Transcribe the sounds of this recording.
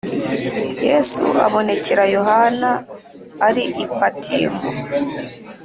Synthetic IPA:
jɛsṵa̰βɔnecɛɾajɔɦanaː | ɾiʔipatʰiːmɔ̰

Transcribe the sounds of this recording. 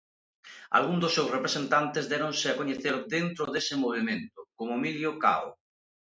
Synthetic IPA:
a̰lɣund̪osːewsrepɾesent̪ant̪ezðɛɾõnsɪakoɲeθeɾd̪ent̪ɾʊðesemoβ̞imẽnt̪ʊkomoemiljoka̰o

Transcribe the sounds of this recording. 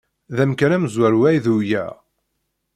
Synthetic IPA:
ðæmkænæməzwæɾwæjðujæ̰

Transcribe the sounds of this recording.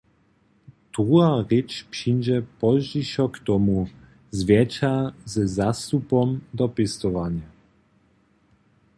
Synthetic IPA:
d̪̥ʁuaʁɪt͡ʃpʂind͡ʑɛpɔʒdiʃɔkt̪ɔmu | zvʲjɛt͡ʃazɛzast̪upɔmd̪ɔpɪst̪ɔvanja

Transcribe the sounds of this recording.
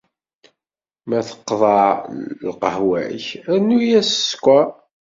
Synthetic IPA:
mæθə̥qːðˤɑlqəhwæ̰çænːujæsskʷæ

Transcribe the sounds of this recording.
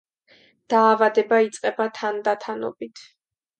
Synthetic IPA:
d̪̥aːvad̪ɛbait̪sʼqʼɛbat̪ʰand̪at̪ʰanɔ̰bit̪ʰ

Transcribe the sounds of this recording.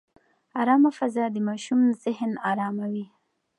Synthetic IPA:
ɑɾɑmafazɑd̪əmɑʃumzɪhnɑɾɑmawi

